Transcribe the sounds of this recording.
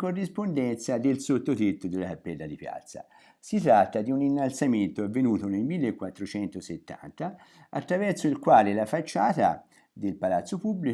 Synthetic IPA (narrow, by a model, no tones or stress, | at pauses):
korːispond̪ɛnt̪sad̪elsot̪ːot̪et̪ːod̪elːat̪apːɛlːad̪ipja̰t̪sːa̰ | sit̪ɾat̪ːad̪iuninːalt̪sament̪oavːenuːt̪onelmilːekːwat̪ːɾot͡ʃɛnt̪oset̪ːa̰nt̪a | at̪ːɾavɛrt̪soilkwaːlelafat͡ʃːaːt̪a̰ | d̪elpalat̪sːopubːli